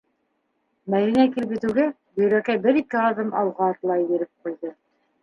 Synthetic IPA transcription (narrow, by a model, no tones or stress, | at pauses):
mæðinækilɘpjɘ̆t̪ʉ̆ɡæ | bɵ̆ɾækæbɘɾikɘɑðɤmʔɑwʁɑːt̪lˠɑjbɘ̆ɾɘp̚qujðɤ